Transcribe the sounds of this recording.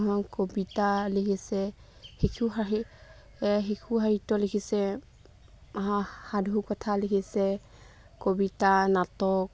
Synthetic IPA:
ɦɔnkobitalikʰisɛ | hekʰuɦaɦi | ɦekʰuɦaɹitɔlekʰisɛ | aɦãhadʱukɔtʰalikʰisɛ | kobitanatɔk̚

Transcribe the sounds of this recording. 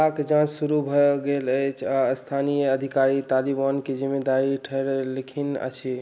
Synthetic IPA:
akd͡ʒãt͡ʃsuɾubʱɔɡeləjt͡ʃʰast̪ʰanijəəd̪ʱikaɾit̪alibanked͡ʒimːed̪aɾiʈʰəɾelikʰinə̰t͡ʃʰi

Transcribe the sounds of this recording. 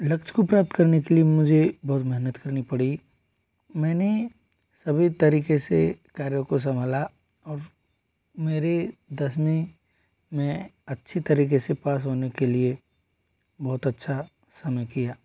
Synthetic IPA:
lɐkt͡ʃkopɾaːp̚t̪kɐɾnekeliemʊd͡ʒʱebɔːt̪mɛɦnət̪kɐɾnipɐɽi | mɛ̃ːne | sɐbʱit̪ɐɾiːkesḛkaːɾjokos̬ɐ̃mʱla | ɔːɾ | meːɾed̪ɐsmĩ | mẽɐtːʃʰit̪ɐɾiːkesepaːs̬ɦoːnekelie | bɔːʊt̪ɐtːʃʰa | sɐməjkijaː

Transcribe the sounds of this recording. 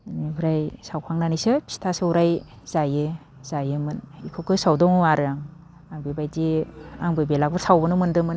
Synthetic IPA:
nibɯɾajsawkʰaŋnanisɯpʰi̥stʰasɯuɾaj | z̥ajɯ | z̥ajɯmɯnikʰɯkʰɯsawdɔŋɯaɾɯjaŋ | aŋbebajdiaŋbɯbelak̚bɯsawbɯnumɯndɯmɯn

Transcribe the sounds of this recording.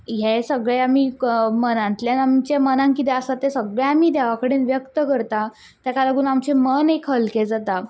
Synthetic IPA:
jesəɡɭeamiːmənãnt̪ljanamt͡ɕamənãŋkit̪ɛəsat̪ːesəɡɭjaamiːd̪eʋakəɽeːnʋjəkt̪əkəɾt̪a | t̪jakaləɡuːnamt͡ɕemənekʰɦəlked͡zat̪a

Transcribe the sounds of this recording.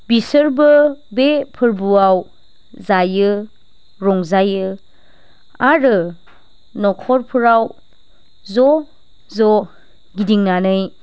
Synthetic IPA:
bisɯɾbɯbepʰɯɾbuaw | zajɯ | ɾɔŋzajɯ | aɾɯ | nɔkʰɔɾpʰɯɾaw | zɔ | zɔ | ɡidiŋnanɯj

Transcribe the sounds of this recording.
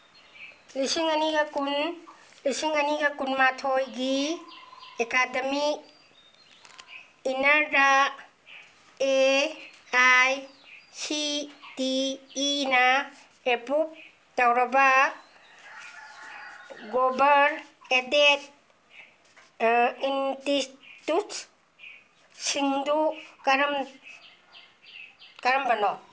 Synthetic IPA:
lisiŋɐniɡɐkun | lisiŋɐniɡɐkunmatʰojɡi | ekademik | inɐɾda | e | aj | sitiː | nɐ | epup̚ | tawɾaba | ɡobaɾedet̚ | intitut | siŋdukaɾm | kaɾambanɔ

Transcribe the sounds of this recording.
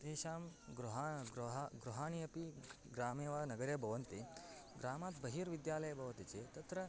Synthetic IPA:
d̪eːʃaːmɡɾuɦaɡɾɦaɡɾuɦaːɳ̃iɐpi | ɡɾaːmeːʋaːnɐɡɐɾjɐbʱɐʋɐnt̪i | ɡɾaːmaːt̪bɐɦiːɾʋid̪jaːlɐjɐbʱɐʋɐt̪it͡seːt̪ɐt̪ɾɐ

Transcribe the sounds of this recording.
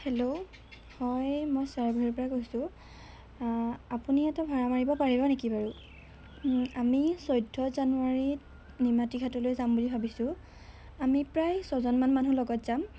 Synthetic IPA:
hɛlo | hɔjmɔjsaɹɡʱɔɹiɹpɔɹakojsʊ̃ | apuniɛtɛbʱɔɹamaɹibɔpaɹibɔnekibaɹu | amisojdʱːɔzanuaɹi | nimatiɡʱatɔlojzambulibʱabisʊ̃ | amipɹajsɔzɔnmanmanulɔɡɔtz̥am

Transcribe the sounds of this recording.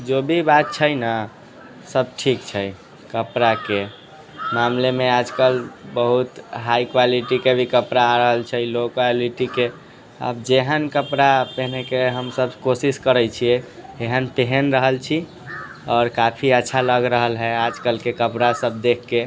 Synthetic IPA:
d͡ʒobʱibat̪̚t͡ʃʰəjnə | səb̚ʈʰikt͡ʃʰɛ | kəpɾake | mamlemead͡ʒkəlbəɦut̪ɦaikwaliʈikebʱikəpɾaːɾəɦəlt͡ʃʰɛilokwaliʈike | ə̰bd͡ʒeɦənkəpɾapəɦnekeɦəmsəbkosiskəɾəjt͡ʃʰiɛeɦənp̪eɦənɾəɦəlt͡ʃʰi | ɔːɾkapʰiətːʃʰaləɡɾəɦəlɦɛad͡ʒkəlkekəpɾasəb̚d̪ekʰːe

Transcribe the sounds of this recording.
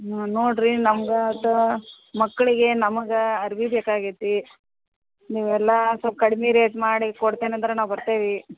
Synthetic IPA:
noːɽɾinɐmɐɡeɐt̪ɐ | mɐkːɐɭiɡe̞nɐmɐɡɐɐɾʋibeːkaːɡit̪ːi | niːʋɛlːɐskɐɽmiɾeːʈmaːɽikoɽt̪eːneɐnd̪ɐɾenaːʋbɐɾt̪eːʋi

